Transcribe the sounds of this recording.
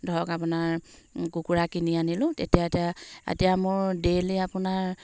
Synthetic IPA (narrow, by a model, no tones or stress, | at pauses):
dʱɔɹɔkap̬ʊnaɹkukuɹakinianilʊ̃tetijatijaḛtijamʊɹdeliapʊnaɹ